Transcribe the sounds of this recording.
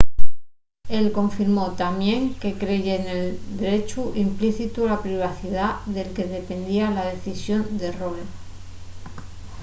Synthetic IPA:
e̞lko̞ɱfiɾmo̞t̪amjẽ̞ŋke̞kɾe̞ʝene̞ld̪eɾe̞t͡ʃuʔimpliθit̪ulapɾiβ̞aθiðaðe̞lke̞ð̞e̞pe̞nd̪ialað̞e̞θisjo̞nd̪e̞rol

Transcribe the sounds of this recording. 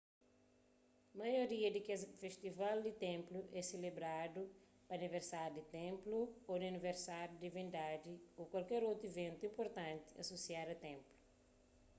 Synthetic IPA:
mɐjoɾiɐd̪ikɛzfeʃt̪ivald̪ɪt̪ẽmpluʔɛselebɾad̪u | pɐniveɾsaɾud̪it̪ẽmpluod̪iɐniveɾsaɾjud̪ivĩnd̪ad̪iokwalkɛɾowt̪ɾevẽnt̪uĩmpoɾt̪ãnt̪i̥ɐ̰sosiaɾɐt̪ẽmplu̥

